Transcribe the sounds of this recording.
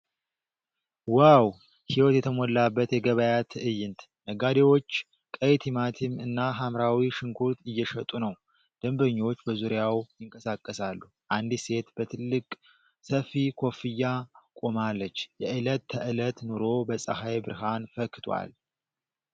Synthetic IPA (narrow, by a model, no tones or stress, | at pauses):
waw | hiwɔt̪jɛt̪ʰəmolːabːət̪jɛɡəβəjat̪ʰɨʔɨjːɪnt̪ | nəɡad̪ewo̞t͡ʃː | kʼəjt̪ʰimat̪ʰɪmɨnːaɦamɾawiʃɪŋkʰuɾt̪ɪjːɛʃət̪ʼunəw | d̪̥əmbəɲːo̞t͡ʃːbəzuɾjawjɪŋkʼəsakʼːəsalːu | ʔand̪ise̞t̪bət̪ʰɨlːɨkʼ | səfikʰo̞fɨjːakʼo̞malːət͡ʃːjɛʔɨlət̪ʰːəʔɨlət̪nuɾo̞bəsʼəhajbɨɾɦanfəkːɨt̪ʰwa̰l